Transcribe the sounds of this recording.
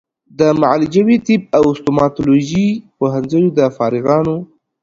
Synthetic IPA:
d̪əmaʕlɪd͡ʒawit̪ip̚awʊst̪omɑt̪oloʒipoɦanzəjod̪əfɑɾɪɣɑno

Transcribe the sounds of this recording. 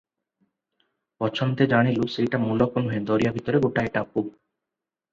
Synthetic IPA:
pɔt͡ɕʰont̪ed͡ʑaɽ̃ilosejʈamulɔkonɦoed̪oɾijabʱit̪ɔɾeɡoʈaeʈapu

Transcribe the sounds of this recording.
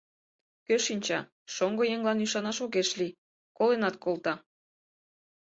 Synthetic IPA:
køʃinʲt͡ɕɑ | ʃoŋɡojeŋlɑnyʃɑnɑʃoɣeʃli | kolenɑt̪̚kolt̪ɑ

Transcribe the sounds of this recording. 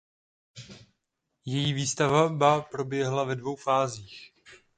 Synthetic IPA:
jɛjiːviːst̪avabapɾo̞bjɛɦlavɛdvo̞wfaːziːx

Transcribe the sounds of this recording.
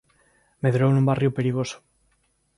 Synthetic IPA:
meðɾownũmbariope̞ɾiɣ̞oso̥

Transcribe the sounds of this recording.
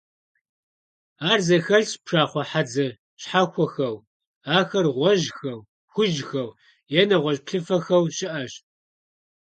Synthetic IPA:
aːrzɐxɐɮspʰʂaːχʷɔħad͡zɐ | ɕħaxʷɔxɐw | aːxɐrʁʷɔʒxɐw | xʷʊʒxɐw | jɛnɐʁʷɔʑpɬɨfɐxɐwɕɪʔɐɕ

